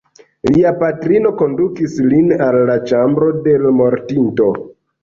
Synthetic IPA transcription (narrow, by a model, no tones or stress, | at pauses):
liapatɾino̞ko̞ndukislinalːat͡ʃambɾo̞de̞lmo̞ɾtinto̞